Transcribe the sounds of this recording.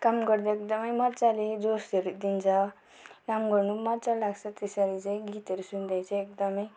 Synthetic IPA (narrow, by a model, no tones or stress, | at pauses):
kamɡʌɾd̪aek̚d̪ʌmʌjmʌt͡saled͡zost̪ʌɾud̪int͡sʰʌ | kamɡʌɾnumʌt͡salaɡt͡sʰʌt̪esʌɾit͡saĩɡit̪ʌɾusund̪ajt͡sʰʌek̚d̪ʌmʌj